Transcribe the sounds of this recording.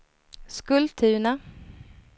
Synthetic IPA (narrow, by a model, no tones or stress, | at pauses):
skɵlt̪ʰːʉ̟ːna